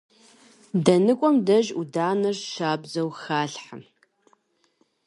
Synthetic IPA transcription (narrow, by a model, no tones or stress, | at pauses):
dɐnɨkʷʼɔmdɐʒudaːnɐrʃaːbzɐwxaːɬħa̰